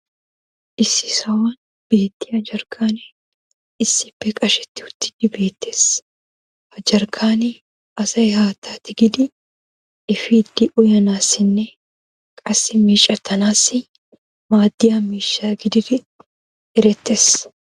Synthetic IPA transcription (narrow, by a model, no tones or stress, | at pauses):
ʔɪsɪ̥sɐwɐn | b̥e̞ːt̪ːiɐd͡ʒɐɾkʰaːnɛ | ɪsːɪbɛkʼɐʃɛt̪ːɪʊt̪ːɪ̥d̪ɪbeːt̪ːeːs | ɐd͡ʒɐɾkʰaːnɛ | ɐsɐɪhaːt̪ːaːt̪ɪɡɪd̪ɪ | ɪfid̪ɪʔʊjɐnaːsɪnːɛ | kʼɐsɪmiːt͡ʃʼːɐt̪ʰːɐnaːsɪ | maːd̪ːɪjamiːʃːaːɡɪd̪ɪɾɪ | ɪɾɛt̪ːes